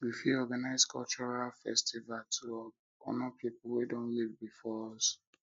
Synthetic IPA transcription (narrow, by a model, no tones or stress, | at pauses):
wifiɔɡanaɪzkʰɔ̰lt͡ʃɔɹalfɛ̰stʰivaltʰu | ɔ̰nɔpʰipulwedõnlivbifɔs